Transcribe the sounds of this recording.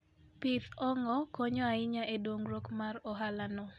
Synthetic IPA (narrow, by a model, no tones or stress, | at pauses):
pɪt̪ɔŋɔkoɲɔaɪɲaʔedwoŋɾokmarɔɦalanɔ